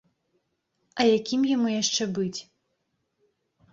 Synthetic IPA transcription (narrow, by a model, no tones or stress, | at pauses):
ɐjakʲimjamujaʂt͡ʂɛbɨt͡sʲ